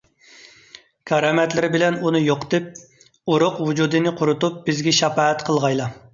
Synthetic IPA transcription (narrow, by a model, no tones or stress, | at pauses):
kʲʰɑɾɑːmɛt̪lɪɾɪbɪlɛnunɨjoqd̪ɪp̚ | uɾʊqwud͡ʒuːd̪ɨnɪqʰʊɾʊt̪up̚bɪzɡʲɛʃɑpɑːɛt̪qʰəlˠʁɑjlˠɑ